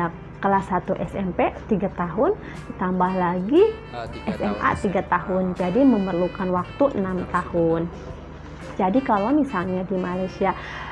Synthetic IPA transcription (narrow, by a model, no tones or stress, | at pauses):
a | kəlasat̪uʔɛsɛmpet̪iɡat̪aɦʊn | t̪ambahlaɡi | ʔɛsɛmʔa̰t̪iɡat̪ahʊnd͡ʒadiməmərlukanwak̚t̪uʔənamt̪ahʊn | d͡ʒadikalomisalɲadimalajsia